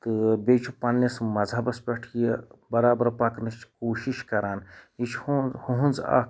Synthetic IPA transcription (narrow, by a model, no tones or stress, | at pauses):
t̪ɨbeːt͡ʃʰupɐnːismɐzʱɐbɐspʲeʈʰijɐbɐɾaːbɐɾpɐknist͡ʃʰkoːʃiʃkɐɾaːnit͡ʃʰhoɦunza̰ːk